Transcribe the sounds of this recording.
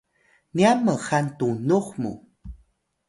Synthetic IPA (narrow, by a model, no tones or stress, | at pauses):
niamːəxant̪unuχmṵ